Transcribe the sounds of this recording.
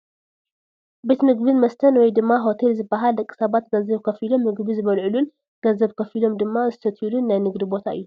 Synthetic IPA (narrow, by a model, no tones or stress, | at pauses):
be̞t̪mɨɡbɨnmɐst̪ʰɐnwɔjd̪ɨmːaɦo̞t̪ʰe̞lzɨbːɐɦaldɐkʼːi̥sɐβat̪ɡɐzɐβkʰɐfilo̞mːɨɡbizɨβɐlʕɨlun | ɡ̥ɐzɐbkʰɐfilo̞md̪ɨmːazɨt̪ʰɐt̪ʰilunːajnɨɡd̪ibo̞t̪ʰa̰ʔɨ̰jːu